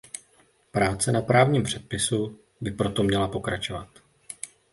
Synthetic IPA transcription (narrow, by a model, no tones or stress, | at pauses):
pɾaːt͡sɛnapɾaːvɲiːmpr̝̥ɛt̪̚pɪsu | bɪpɾo̞t̪o̞mɲɛlapo̞kɾat͡ʃo̞va̰t̪